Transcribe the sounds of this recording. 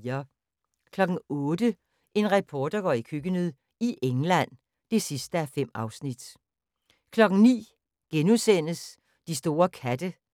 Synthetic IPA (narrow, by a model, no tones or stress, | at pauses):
ɐ | kʰlɒ̽ɡ̥n̩ɔ̽ːdə | ʔe̝nʁɛpʰɒːd̥ɐɡ̥ɒ̰ːikʰøɡ̥ənyð̰ˠ | iʔeŋlæn̰ | d̥e̝sisd̥əæfem̰ɑ̈ʊsnid̥ | kʰlɒ̽ɡ̥n̩nḭː | ɡ̥enuðˠsen̰əs | d̥isd̥o̝ːɐkʰæd̥ə